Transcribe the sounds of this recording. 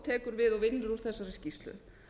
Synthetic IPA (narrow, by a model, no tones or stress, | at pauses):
t̪ʰɛːkʏɾvɪðɔvɪnːʏɾuɾθɛsːaɾɛscist̪lʏ̰